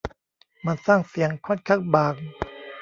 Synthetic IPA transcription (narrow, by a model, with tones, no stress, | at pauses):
ma˧nsaː˥˩ŋsi˨˦əŋkʰɔ˥˩kʰa˦˥˩k̚baː˨˩k̚